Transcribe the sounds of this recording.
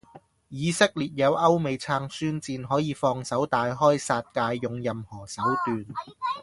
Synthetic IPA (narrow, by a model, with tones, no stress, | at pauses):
jiː˨˧sɪ˥k̚liː˨˩t̚jɐ˨˧wʔɐ˥wme˨˧jt͡sʰaː˧ŋsyː˥nt͡siː˧nɦɔː˨˥jiː˨˧fɔː˧ŋsɐ˨˥wt̪aː˨˧jɦɔː˥jsaː˧t̚kaː˧jːʊ˨ŋjɐ˨mhɔː˨˩sɐ˨˥wt̪yː˨n